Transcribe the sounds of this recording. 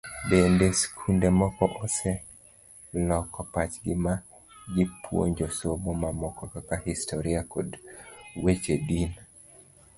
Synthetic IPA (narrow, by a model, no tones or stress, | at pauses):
bendeskʰundemɔkɔʔɔse | lɔkɔpat͡ʃɡɪma | ɡɪpwo̰ɲd͡ʒosobomamɔkɔkakahistʰoɾiakodwet͡ʃedin